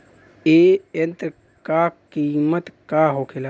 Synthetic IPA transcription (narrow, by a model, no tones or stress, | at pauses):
eːjənt̪ɾ | kakiːmət̪kaɦoːkʰela